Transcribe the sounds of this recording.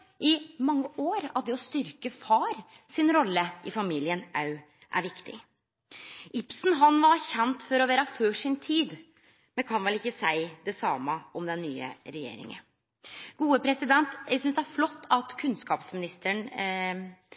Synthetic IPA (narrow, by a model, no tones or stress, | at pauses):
ʔɪmɑŋːəʔoːɾɑ̰ʋd̪ɛɔst̪ʏɾkəfɑːɾ | sɪnɾɔlːəʔɪfɑmiːlɪənʔɑʉ | ʔæ̰ɾʋɪkt̪ɪ̰ | ʔɪpsn̩ɦɑnʋɑɾçɛnt̪fɔɾɔʋeːɾɑføːʂɪnt̪ʰiːd̪ | mɛnkʰɑnʋɛlɪkːəsæɪd̪ɛsɑmːəɔmd̪ɛnːyːə̰ɾɛjḛːɾɪ̰ŋə̰n | ɡ̥uːəpʰɾɛsɪd̪ɛnt̪sʏnsd̪ɛææɾflɔt̪ːɑt̪kʰʉnskɑːpsmɪnɪst̪əɳ